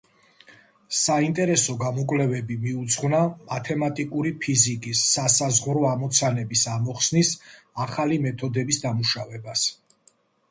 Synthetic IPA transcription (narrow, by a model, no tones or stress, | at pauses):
saint̪ʼɛɾɛsɔɡamɔkʼlɛvɛbimiut̪sʰʁvnamat̪ʰɛmat̪ʼikʼuɾipʰizikʼisːasazʁɾɔamɔt̪sʰanɛbisamɔχsnis | aχalimɛt̪ʰɔd̪ɛbisd̪amuʃavɛbas